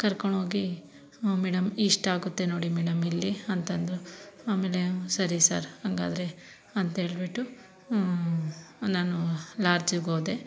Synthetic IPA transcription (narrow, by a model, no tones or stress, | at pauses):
kɐɾkoɳɦo̞ːɡi | mɛːɽɐmiʂʈaːɡut̪ːe̞no̞ːɽimɛːɽɐmilːiɐnt̪ɐnd̪uaːme̞ːle̞sɐɾisa̰ːɾhɐŋɡa̰ːd̪ɾe̞ | ɐnt̪ɐɦe̞ːɭbiʈːu | naːnulaːɾd͡ʒiɡoːd̪e